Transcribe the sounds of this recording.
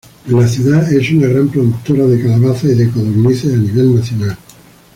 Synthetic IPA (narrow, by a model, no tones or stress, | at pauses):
laθjuðaesunaɣ̞ɾampɾoðuk̚t̪oɾaðekalaβaθaiðekoðoɾniθeaniβ̞elnaθjonal